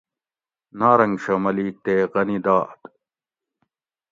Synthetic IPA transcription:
naːɾɐŋɡɕɐmɐliːk̚t̪eːqɐnid̪aːʔt̪

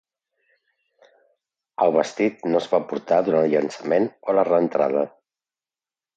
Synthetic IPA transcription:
əlˠβəst̪it̪̚nozβapuɾt̪aðuɾanəlˠʎənsəmenolərəːnt̪ɾa̰ðə

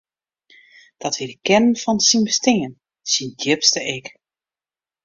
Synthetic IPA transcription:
d̥ɔtʋidəkɛnənfɔnsinbəstɪŋən | sindjɪpstəɪk

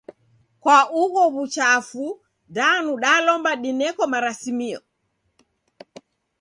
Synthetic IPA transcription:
kwauɣɔβut͡ʃafu | danuɗaːlɔmbaɗinɛkɔmaɾasimiɔ̰

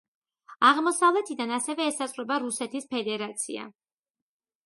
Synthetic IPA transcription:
aʁmɔsavlɛt̪ʰid̪anasɛvɛːsasʼχɾɛbaɾusɛt̪ʰispʰɛd̪ɛɾat̪sʰḭa̰

